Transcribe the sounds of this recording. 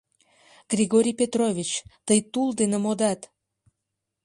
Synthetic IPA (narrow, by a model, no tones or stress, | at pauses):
ɡ̥rʲiɣoɾʲijpʲet̪rovʲit͡ɕt̪əjt̪uld̪enemod̪ɑt̪